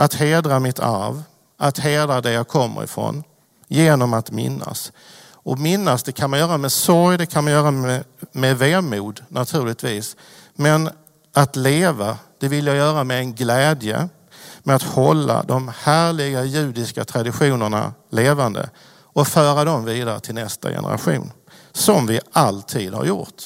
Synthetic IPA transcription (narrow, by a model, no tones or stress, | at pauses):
ʔat̪heːd̪ɾamɪt̪ʰa̰ɾv | at̪heːd̪ɾad̪ɛjakʰɔmːə̰ɾɪ̰fɾo̰ːn | jeːnɔmat̪mɪ̰nːa̰s | ɔmɪnːasd̪ɛkʰanmanjœːɾamɛsɔɾjd̪ɛkʰanmanjœːɾamɛveːmuːd̪nʔat̪ʰʉ̟ːɭɪt̪viːs | mɛn | ʔat̪leːvad̪̥ɛvɪljajœːɾamɛɛnɡlɛːd̪jə̰ | mɛat̪hɔlːa̰d̪ɔmhæːɭɪɡajʉ̟ːd̪ɪska̰t̪ʰɾad̪ɪɧuːnəɳa̰leːvand̪ə̰ | ɔfœːɾad̪ɔmviːd̪aɾət̪ʰɪlnɛst̪a̰jɛ̰nə̰ɾa̰ɧṵːn | sɔmvɪalt̪ʰiːd̪ha̰ɾjʊ̰ɾt̪